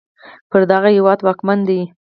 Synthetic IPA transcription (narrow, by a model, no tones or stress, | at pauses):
pəɾd̪aɣahɪwɑd̪wɑkmand̪ai